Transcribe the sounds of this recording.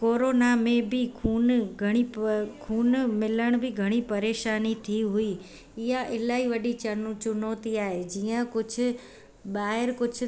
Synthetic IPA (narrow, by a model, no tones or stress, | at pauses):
koːɾoːnamẽbɪkʰuːnɡʱɐɽ̃ikʰuːnmɪləɽ̃bʱɪɡʱɐɽ̃ipɐɾeːʃaːnit̪ʰiɦʊi | ɪɦãʔɪlaːiʋɐɗit͡ɕɐɾnũt͡ʃʊnoːt̪iaːɦed͡ʑiːə̃kʊd͡ʑʱʊ̆ | ɓaːɦɪɾkʊd͡ʑʰʱʊ